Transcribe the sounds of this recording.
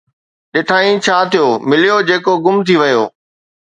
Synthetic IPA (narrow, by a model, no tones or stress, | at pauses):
ɗɪʈʰaːĩt͡ɕʰaːt̪ʰijoːmɪlijod͡ʑeːkoɡʊmt̪ʰiʋɐjoː